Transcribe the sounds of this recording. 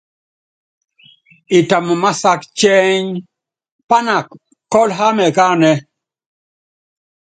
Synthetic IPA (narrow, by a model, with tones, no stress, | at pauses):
i˨ta˨m˨ma˦sa˦kt͡ʃɛ˦ɲ | pa˦na˨k | kːɔ˦lɦa˦mɛ˨ka˦nɛ˦